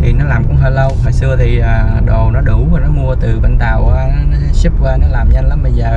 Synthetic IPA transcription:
t̪ʰi˨˩nɔ˨˦laː˨˩mkʊ̰˧˦ŋ͡mɦəː˧lə˧whɔː˨jsɨ˧ət̪ʰi˨˩ʔaː˨˩ɗo˨˩nɔ˨˦ɗu˧˩˦vaː˨˩nɔ˨˦mu˧ət̪ɨ˨˩ɓa̰˧˨˩nt̪a̰ː˧˨waː˨˦nɔ˨˦˨su˦˥p̚kwaː˧nɔ˨˦laː˨˩mɲa˧nla˨˦mɓə˧jzəː˨˩

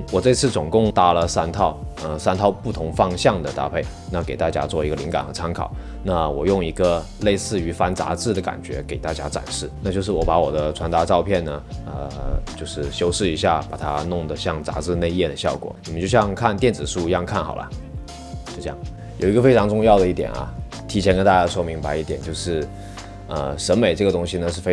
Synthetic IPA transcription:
wɔ˨˩ʈ͡ʂɤ˥˧i˧t͡sʰɹ̩˥˩t͡sʊ˨˩ŋkʊ˥˧ŋt̪a˥lə˨sa˥nt̪ʰɑ˥˩ʊə˧sa˥nt̪ʰɑ˥˧ʊpu˥˩t̪ʰʊ˧˥ŋfɑ˥ŋɕjɑ˥˩ŋd̪ə˩t̪a̰˥pʰe˥˩ɪ | na˥˩ke˨˩ɪt̪a˥˩t͡ɕja̰˥t͡swɔ˥˩i˧˥ɡə˧li˧˥ŋka̰˨˩nxɤ˧˥t͡sʰa˥nkʰɑ̰˨˩˦ʊ | na˥˩wɔ˨˩jʊ˥˩ŋi˧˥ɡə˧ | le˥˧ɪsɹ̩˥˩y˧˥fa˧˥nt͡sa̰˧˥t͡sɹ̩˥˩d̪ə˩ka̰˨˩nt͡ɕɥɛ̰˧˥ke˨˩ɪt̪a˥˧˩t͡ɕja̰˥ʈ͡ʂa̰˨˩nʂɻ̩˥˩na˥˧t͡ɕjʂɻ̩˥˩wɔ˧˥pa˧˥wɔ˨˩d̪ə˦ʈ͡ʂʰwa˧˥nt̪a˧˥ʈ͡ʂɑ˥˧ʊpʰjɛ˥˩nnə˩ə̰˧t͡ɕjo˥˧ʊʂɻ̩˥˩ɕjo˥ʊʂɻ̩˥˩i˧˥ɕja˥˩pa˨˩t̪ʰa˥nʊ˥˩ŋd̪ə˩ɕjɑ˥˩ŋt͡sa̰˧˥t͡sɹ̩˥˧ne˥˧ɪjɛ˥˩d̪ə˩ɕjɑ˥˩ʊkwɔ̰˨˩˦ni˨˩mə˦nt͡ɕjo˥˧ʊɕjɑ˥˧ŋkʰa˥˧nt̪jɛ˥˩nt͡sɹ̩˨˩ʂu˥˧jɑ˥˧ŋkʰa˥˩nxɑ˨˩ʔɐ̰˦ | t͡ɕo˥˧ʈ͡ʂɤ˥jɑ̰˥˩ŋ | jo˨˩ʊi˧˥ɡə˧fe˥ɪʈ͡ʂʰɑ˧˥ŋʈ͡ʂʊ˥˧ŋjɑ˥˩ʊd̪ə˩i˥˩t̪jɛ̰˨˩nʔɐ̰˧˩ | t̪ʰi˧˥t͡ɕʰɛ˧˥nkə˥nt̪a˥˩t͡ɕja˥ʂwɔ˥˩mi˧˥ŋpa˧ɪi˥˩t̪jɛ̰˨˩nt͡ɕjo˥˧ʊʂɻ̩˥˩ | ə̰˧ʂə˧˥nme˨˩ɪʈ͡ʂɤ˥˩ɡə˩t̪ʊ˥ŋɕi˧nə˧ʂɻ̩˥˩fe˥

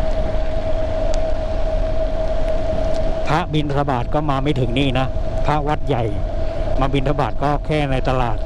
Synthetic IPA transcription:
pʰa˦˥ʔbi˧nt̪ʰa˧baː˨˩t̪̚kɔː˥˩maː˧ma˥˩jt̪ʰɯ˩˦ŋniː˥˩na˦˥pʰa˦˥ʔwa˦˥t̪̚ja˨˩jmaː˧bi˧nt̪ʰa˧baː˨˩t̪̚kɔː˥˩kʰɛː˥˩na˧jt̪a˧laː˨˩t̪̚

